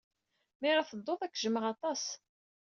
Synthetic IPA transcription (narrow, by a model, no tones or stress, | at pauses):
mɪɾɑθəd̪ˤːoðˤækːʒəməʁɑt̪ˤɑs